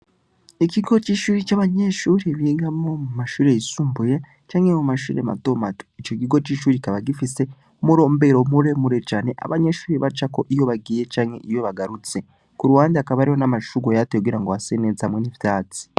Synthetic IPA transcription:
iciɡo̞t͡ʃiːʃuːɾit͡ʃaβaɲe̞ʃuːɾiβiɡamomumaʃuːɾe̞jisuːmbuje | t͡ʃaːŋe̞mumaʃṵːɾema̰to̞mato̥it͡ʃo̞kiɡo̞t͡ʃiʃuːɾikaβaɡifise̞ | muɾo̞ːmbe̞ɾomuɾe̞muɾet͡ʃaːne̞ʔa̰βaɲe̞ʃuːɾiβat͡ʃako̞ʔijo̞βaɡiːje̞t͡ʃaːŋhe̞̰ʔijo̞βaɡaɾut͡se̞ | kuɾuwaːndiakaβaɾiho̞namaʃuɡojateɡiɾaŋɡoasened͡zehamŋenivitat͡si̥

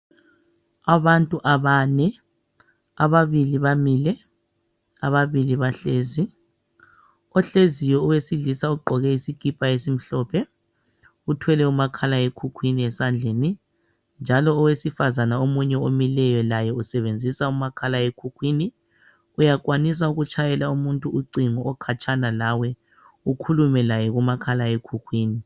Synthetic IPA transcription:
aβantʼuʔaβanɛ | aβaβiliβamilɛ | aβaβiliβaɬeːzi | ɔɬezijɔuwesiɮisauǃʱɔɣɛisikipʼaesim̩ɬɔpʰɛ | utʰwɛlɛumakʰalaekʰukʰwiniɛsand͡ɮʱeni | nd͡ʒʱalɔːwesifazanaomuɲɛomilɛjɔlajɛusɛβend͡zʱisaumakʰalaekʰukʰwiːni | ujak̬ʼwanis̬auɣut͡ʃʰʼajɛlaumuntʼuuǀiŋɔɔkʰat͡ʃʰʼanalawɛ | ukʰulumɛlajɛɣumakʰalaekʰukʰwiːni

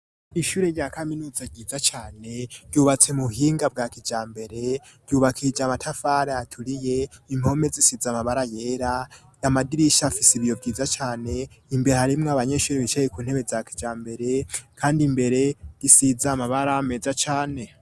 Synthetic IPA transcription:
iʃuːɾeɾɟaːkʰaminuːzaɟiːd͡zat͡ʃaːne̞ɾɟuːβat͡se̞muhiːŋɡab̚ɡaːkid͡ʒaːmbe̞ɾe̞ | ɾɟuβakʰid͡ʒamatʰafaɾeatʰuɾije̞imho̞me̞zisizamaβaɾaje̞ɾa | jamadiɾiʃafisiβijo̞bɟiːzat͡ʃaːne̞imbeɾehaɾimŋoaβaɲeʃuːɾeβit͡ʃejekuːnhe̞βe̞zakʰi̥d͡ʒaːmbe̞ɾe̞kʰaːndimbe̞ɾe̞ɡisizamaβaɾaːme̞zat͡ʃaːne̞

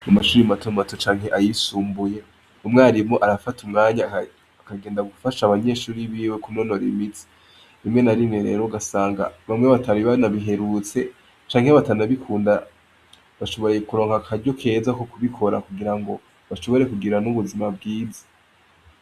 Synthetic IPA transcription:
amaʃuːɾimatomatot͡ʃaːŋɦe̞ʔajisuːmbuje̞ | umŋeaɾimo̞ʔaɾafatumŋaːɲa | kaɡe̞ːndaɡufaʃaβaɲe̞ːʃuːɾiβiːwe̞kuno̞no̞ɾḭmit͡si̥ | imŋe̞naɾineɾe̞̰ɾo̞ɡasaːŋɡa̰βamŋeβatʰaɾiβanaβiɦe̞ɾut͡se̞ | t͡ʃaːŋheβatanaβikʰuːnda | βaʃo̞βo̞ɾejekuɾo̞ːŋhakʰaɾɟo̞kʰe̞ːzakokuβikʰo̞ɾa̰kuɡiɾaŋɡo̞̰ | βaʃo̞βo̞ɾe̞kuɡiɾanuβuzimab̚ɡiːzḁ

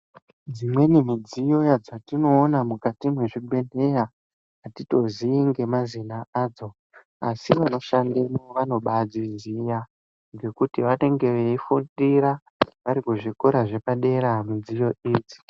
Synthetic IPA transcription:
d͡zimwe̞nimid͡zijo̞jad͡zatino̞ːnamukatimwe̞ʐibʱe̞ne̞ja | atito̞ziiŋɡe̞mazinaaːd͡zo̞ | asiʋano̞ʃandemoʋano̞ɓad͡zizija | ŋɡe̞kutiʋane̞ŋɡe̞ʋeifundiɾa | ʋaɾikuʐikoɾaʐe̞paɗe̞ɾamud͡zijo̞iːd͡zi̥

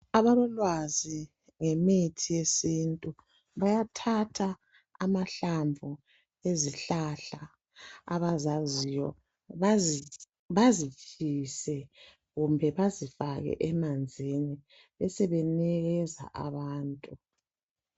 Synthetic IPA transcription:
aβaβɔlwazi | ŋemitʰijesintʼu | βajatʰatʰaː | maɬambvʱu | eziɬaɬa | a̰βazazijɔ̰ | βa | βazit͡ʃʰisɛ | ɣumbʱɛβazifaɣɛ̰ʔɛmand͡zʱini | ɛsɛβɛnɛɣɛza̰ʔa̰βaːntʼu

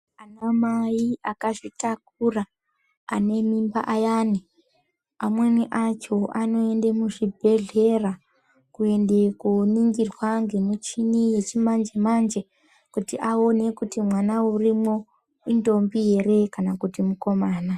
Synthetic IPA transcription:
anamajiakaʐitak̚uraː | ne̞mimba̰ʔajaːni | amwe̞niʔat͡ʃo̞ʔano̞e̞ndemuʐibʱe̞ɮe̞ra | kue̞nde̞kuniŋɡirwaŋɡe̞mut͡ʃinije̞t͡ʃimand͡ʒe̞mand͡ʒe̞ | kutiʔao̞ne̞kutimwanaurimo̞ | indo̞mbije̞ɾe̞kanakutimuko̞maːna

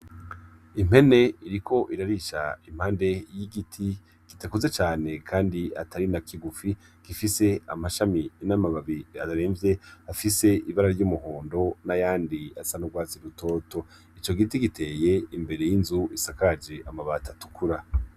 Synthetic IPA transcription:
im̥e̞ne̞iɾikʰo̞ʔiɾaɾiʃa̰im̥haːnde̞jiɡitʰi | ɡ̥itakuzet͡ʃaːne̞kʰaːndiatʰaɾinakʰiɡufi | ɡ̥ifise̞a̰maʃaminamaβaβiataɾeːɱvje̞afise̞iβaɾaɾɟuːmuhoːndo̞najaːndiasanuɡwaːt͡siɾuto̞ːto̞ | it͡ʃo̞ɡitiɡitʰe̞ːje̞imbe̞ɾe̞jinzuisakad͡ʒe̞ʔamaβatʰatu̥kʰuɾa

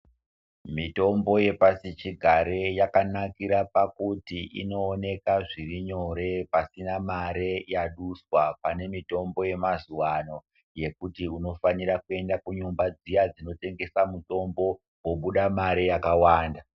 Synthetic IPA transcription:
mito̞mbo̞je̞pasit͡ʃiɡʱaɾe̞jakanakiɾapakutiʔḭno̞ːne̞kaʐiriɲo̞ɾe̞pasinamaɾe̞jaɗuswapane̞mito̞mbo̞je̞mazuwano̞ | je̞kutiuno̞faniɾakue̞ndakuɲumbad͡zijad͡zino̞te̞ŋɡe̞samuto̞mbo̞ | woɓuɗamaɾejakawaːnda

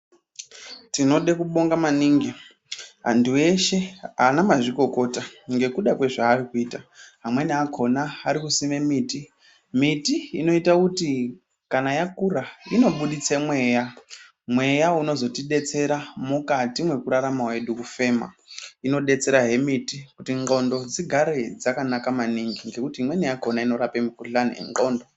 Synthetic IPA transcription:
tino̞ɗekuɓo̞ŋɡamaniːŋɡi | ɦa̰ndue̞ʃe̞anamaʐiko̞ko̞ːtaŋɡe̞kuɗakwe̞ʐaːrikuiːtaɦamwe̞niakʰo̞naːɾikusimemiːti | mitiːno̞itakuti | kanajakuraino̞ɓuɗit͡semwe̞ːja | mwe̞jauno̞zo̞tiɗe̞t͡se̞ɾamukatimwe̞kuɾaɾamawe̞ɗukufe̞ːma̰ino̞ɗe̞t͡se̞ɾaɦe̞mitikutiŋɡo̞ndo̞d͡ziɡʱaɾed͡zakanakamaniŋɡiŋɡe̞kutiɦimwe̞nijakʰo̞naino̞ɾapemikuɬanḭḛŋɡo̞ːndo

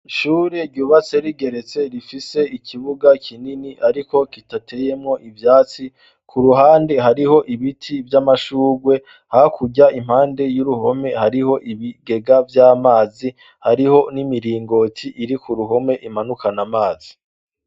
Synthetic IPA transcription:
ʃuːɾeɾɟuːβat͡se̞ɾiɡe̞ɾe̞t͡se̞ɾifise̞ikʰiβuɡakʰininiʔaɾiko̞kitatʰe̞jemŋo̞ʔivjaːt͡si | kʰuɾuɦaːnde̞ɦaɾiho̞ʔiβitʰivjamaʃuːɡwe̞ | hakʰuɟaim̥haːnde̞juɾuɦo̞me̞haɾiho̞ʔiβiɡe̞ɡavjaːmaːzi | haɾiho̞nimiɾiːŋɡo̞tʰiʔiɾikʰuɾuɦo̞me̞ʔimanukanamaːzi

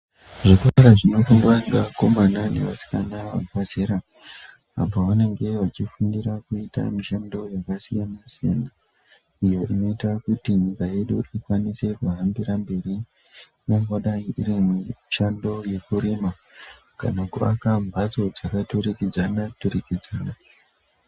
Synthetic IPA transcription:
ʐokuraɾaʐino̞fuŋɡaŋɡako̞manane̞̰ʋa̰si̥kanaʋa̰pazeɾa | a̰poʋane̞ŋɡe̞ʋat͡ʃifundiɾakuita̰miʃando̞jakasijanasijana | ijo̞ʔino̞itakutiɲikaje̞ɗuʔikwanise̞kuɦambiɾambe̞ri | noŋɡoɗaiʔiɾimiʃando̞je̞kuɾema | ka̰nakua̰kambʱat͡so̞d͡zakatuɾikid͡zanaturikid͡zaːna

